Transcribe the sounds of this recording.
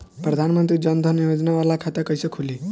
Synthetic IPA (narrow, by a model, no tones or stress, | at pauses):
prʌd̪ʱanmʌnt̪ɾid͡zʌnd̪ʱʌnijod͡znawalakʰat̪akʌjsʌkʰuli